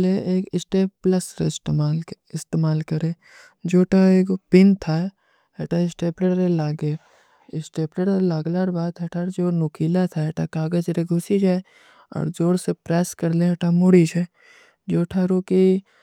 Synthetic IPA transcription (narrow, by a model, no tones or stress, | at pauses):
leeːkɪsʈeːpːləsɾesaː | ɪst̪eːmaːlkɐɾẽ | d͡ʒoːʈʰaeːkpɪnt̪ʰa | eʈaɪsʈeːpleʈɾelaːɡe | ɪsʈeːpleʈelaːɡlaɾbaːd̪ɛʈʰaɾd͡ʒoːnʊkʰiːlat̪ʰaeʈʰakaːɡəd͡ʒɾeɡʱʊsid͡ʒaːe | ɔ̰ːɾd͡ʒoːɽsepɾɛːskɐɾlẽɛʈʰamʊɽit͡ʃɛ | d͡ʒoːʈʰaɾoki